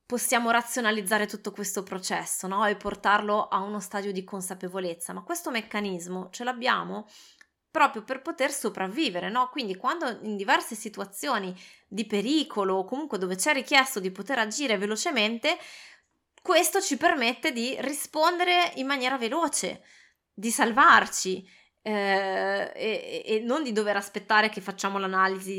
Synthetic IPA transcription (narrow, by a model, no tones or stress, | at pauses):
posːjaːmoɾat̪sːjonalid̪zːaːɾet̪ut̪ːokwest̪opɾot͡ʃɛsːonɔepːort̪arloʔaunost̪aːd̪jod̪ikonsapevolet̪sːamakːwest̪omekːanizmot͡ʃeloabːja̰ːmo | pɾɔːpɾjoperpot̪ersopɾavːiːveɾenɔkwind̪ikwand̪oind̪ivɛrsesit̪uat̪sːjoːni | d̪ipeɾiːkʰolokomuŋkwed̪oːvet͡ʃɛrːikjɛst̪od̪ipot̪eɾad͡ʒiːɾevelot͡ʃement̪e | kwest̪ot͡ʃipermet̪ːed̪irispond̪eɾeimːanjɛːɾaveloːt͡ʃḛ | d̪isalvart͡ʃi | eːnːond̪id̪oveɾaspet̪ːaːɾekefːat͡ʃːaːmolanaːlizi